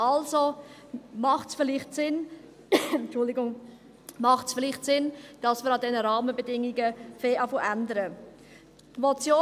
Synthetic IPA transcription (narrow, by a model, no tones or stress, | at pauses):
ʔɑlzo | mɑχtsfɪlɪχtsɪn | t͡ʃʊldɪɡʊŋ | mɑχtsfɪlɪχtsɪnd̥ɑsmɪːɾɑdɛnəɾɑːməbədɪŋiɡəfeːʔafəʔændəɾə | tmot͡sjoː